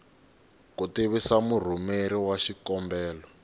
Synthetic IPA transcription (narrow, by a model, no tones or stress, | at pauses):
kuteβisamur̤umeɾiwaʃikɔmbɛːlɔ